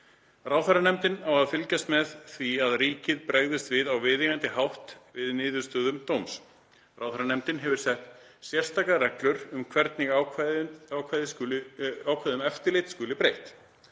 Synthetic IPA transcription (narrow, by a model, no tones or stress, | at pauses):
raːwθaɾanɛmt̪ɪnawaðfɪlcast̪mɛðθviaðriːcɪðpɾeːɣðɪst̪vɪðawvɪːðɪɣant̪ɪɦawht̪vɪðnɪːðʏ̥st̪œːðʏmt̪owms | rawθaɾanɛmt̪ɪnɦɛvʏɾ̥sɛht̪ | sjɛr̥st̪ʰakarɛklʏɾʏmkʰvɛɾt̪nɪɣakaawkʰvajðɪsʏawkʰvajðʏmɛft̪ɪɾlejt̪skʏːlɪpɾejht̪